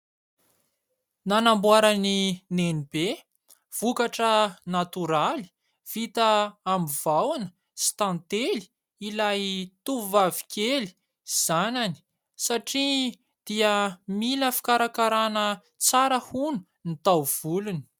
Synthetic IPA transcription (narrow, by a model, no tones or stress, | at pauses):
nanambuaɾaninenib̥e | v̥ukaʈ͡ʂənat̪uɾali̥ | v̥it̪əːmivawanə̥ | si̥t̪ãnt̪eli̥ | ilajt̪uvavi̥kʲeli̥ | z̥anani̥ | saʈ͡ʂi | d̪̥iəmiləfi̥kaɾakaɾanə | t͡saɾəhunu̥ | nit̪awv̥uluni̥